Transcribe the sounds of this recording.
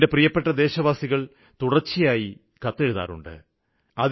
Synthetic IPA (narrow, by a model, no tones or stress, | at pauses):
de̞prijɐpːe̞ʈːɐd̪e̞ːɕɐʋaːsiɣɐɭ | t̪uɽɐt͡ɕːijaːji | kɐt̪ːe̞ɻuða̰ːɾṵɳɖɨ̰ | ɐð